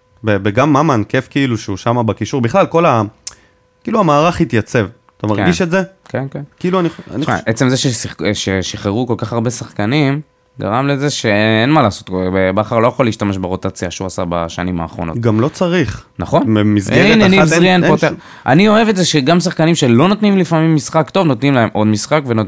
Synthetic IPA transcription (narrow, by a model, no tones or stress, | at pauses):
bebeɡamːamankefkiiluʃeuʃamabekiʃuʁbiχlalko̞la | kiːluamaːʁaχhit̪jat͡se̞v | t̪amaʁɡɡinʃetzekenkenkiiːluania̰nḭʔet͡se̞mzeʃesiʃeʃiχeʁuko̞lkaχaʁbesaχkanim | ɡa̰ʁamleze̞ʃe̞enmalaːso̞t̪bebaχaʁlo̞jaχoliːʃtameʃbeʁo̞t̪at͡sjaʃeuasaba̰ʃa̰nima̰ːχʁo̞̰no̞t̪ɡamlo̞tt͡saʁiχnaχo̞nbemizɡeenizʁienpot̪e | ʔa̰nio̞e̞vetzeʃe̞ɡams̬aχkanimʃe̞lo̞not̪nimlifamimːisχakt̪o̞vnot̪nimlae̞mʔo̞d̪misχakveno